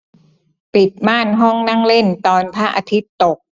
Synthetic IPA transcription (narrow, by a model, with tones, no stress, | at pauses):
pi˨˩t̪̚maː˥˩nɦɔ˥˩ŋna˥˩ŋle˥˩nt̪ɔː˧npʰaː˥˩ʔa˧t̪ʰi˦˥t̪ːo˨˩k̚